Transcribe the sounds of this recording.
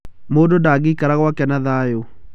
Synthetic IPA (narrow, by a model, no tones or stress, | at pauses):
moːdondaːɡikaɾaɣwakɛnaðajo